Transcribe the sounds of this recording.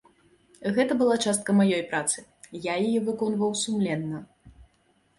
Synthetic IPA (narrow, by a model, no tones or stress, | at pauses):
ɣɛt̪ɐbɨlˠat͡ʂast̪̚kɐmajɔjpɾat̪sɨ | jajajɛvɨkɔnvɐwsumlʲɛnːɐ